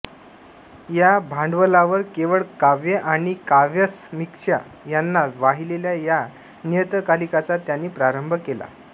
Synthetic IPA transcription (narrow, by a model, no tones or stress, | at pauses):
jabʱãɳɖʋəlaʋəɾkeʋəɭkaʋjəʔaɽ̃ikaʋjəsmikʂa̰ | janːaʋaɦileljaja | nit̪əkalikat͡sat̪janːiːpɾaɾəmbʱəkela̰